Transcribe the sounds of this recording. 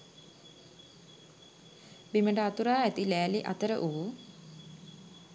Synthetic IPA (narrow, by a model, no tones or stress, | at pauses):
biməɳɖəat̪uɾaːæt̪ilæːliʔa̰t̪əɾə̰ʔuːu